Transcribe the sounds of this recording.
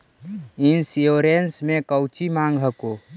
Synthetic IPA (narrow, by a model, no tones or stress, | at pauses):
insjoːɾensmẽkəwt͡ʃimãːŋɡɦəko